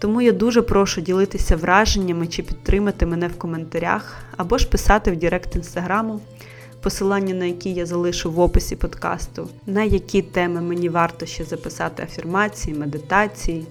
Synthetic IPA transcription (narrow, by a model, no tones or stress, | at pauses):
t̪ɔmujad̪uʒɛpɾɔʃʊdʲilˠɪt̪ɪsʲɐʋɾʔɑʒenʲːɐmɪt͡ʃɪpʲit̪t̪ːɾɪmɐt̪ɪmɛnɛwkɔment̪ɐɾʲa̰xɐbɔʃpɪsɑt̪ɪwdʲiɾɛkt̪inst̪ɐɦɾɑmʊ | pɔsɪlˠɑnʲːɐnɐjɐkʲijazɐlˠɪʃʊʋɔpɪsʲipɔd̪kɑ̰st̪ʊ | nɐjɐkʲit̪ɛmɪmenʲiʋɑrt̪ɔʃt͡ʃɛzɐpɪsɑt̪ɪɐfʲirmɑt͡sʲijimed̪ɪt̪ɑt͡sʲiji